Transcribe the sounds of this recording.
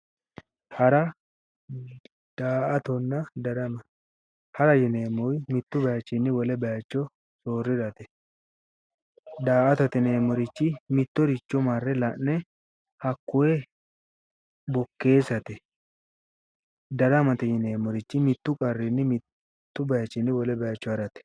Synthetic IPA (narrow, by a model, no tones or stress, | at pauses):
hɐɾɐ | d̪̥aːʔɐt̪ɔnːɐd̪ɐɾɐmɐ | hɐɾɐjɪne̞ːmɔjmɪt̪ːʊbɐjat͡ʃːɪnːɪwɔlɛbɐjɐt͡ʃːɔ | soːrːɪɾɐt̪ɛ̥ | d̪aːʔɐt̪ɔt̪ɛneːmːɔɾɪt͡ʃːɪmɪt̪ːɔɾɪt͡ʃːɔmarːɛlɐnnɛ | hɐkːʊwɛ | bɔkːe̞ːsɐt̪ɛ | d̪ɐɾɐmɐt̪ɛjɪneːmɔɾɪt͡ʃːɪmɪt̪ːʊkʼɐrːɪnːɪmɪ | t̪ːʊbɐjɐt͡ʃːɪnːɪwɔlɛbɐjat͡ʃːɔhɐɾɐt̪ɛ̥